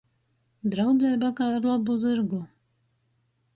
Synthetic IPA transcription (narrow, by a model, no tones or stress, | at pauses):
d̪ɾawd̪zʲɛjbakaːaɾlˠabuzɨɾɡu